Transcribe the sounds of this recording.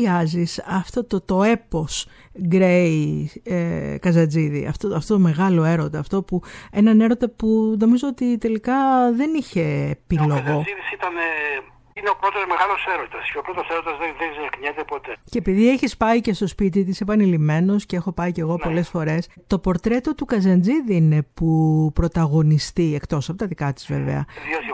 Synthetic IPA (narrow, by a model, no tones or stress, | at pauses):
iɐzisɐft̪o̞t̪ot̪o̞e̞po̞s | ɡɾei | kɐzɐd͡ziðḭɐ̰ft̪oɐft̪ot̪ome̞ɣɐlo̞e̞ɾo̞t̪ɐːft̪o̞pue̞nɐne̞ɾo̞t̪ɐpuno̞mizo̞ot̪it̪e̞likɐðe̞niçe̞ːpilo̞ɣo̞iðisit̪ɐne | ineopɾot̪o̞zme̞ɣɐlo̞seɾot̪ɐsceopɾot̪oseɾot̪ɐzðeðezeɐkɲet̪epo̞t̪e̞ce̞ːpiðieçispɐice̞st̪o̞spit̪̬it̪isepɐnilime̞no̞sceexo̞pɐice̞ɣo̞po̞le̞sfo̞ɾe̞st̪o̞po̞ɾt̪ɾe̞t̪o̞t̪ukɐzɐnd͡ziðine̞pupɾo̞t̪ɐɣo̞nist̪iekt̪o̞sɐpot̪ɐðikɐt̪i̥zvḛvḛɐ̰ðiot̪